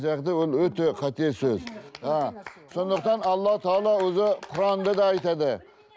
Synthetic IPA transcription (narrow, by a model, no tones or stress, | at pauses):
zɑqd̪əwolˠwɵt̪eqʰɑt̪ʰiesɵzaso̞nd̪əq̚t̪ɑnɑlˠːɑt̪ʰɑɑːlˠɑwɵzɪqʰʊɾɑnd̪ɑd̪ɑːjt̪ɑd̪ə